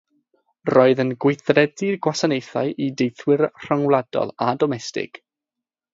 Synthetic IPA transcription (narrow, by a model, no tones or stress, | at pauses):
rɔːɨðənɡwɪjθrɛdirɡwasanejθa̰jʔidejθwɪrr̥aŋwlˠad̥ɔ̰lˠadɔmɛstɪ̰ɡ̥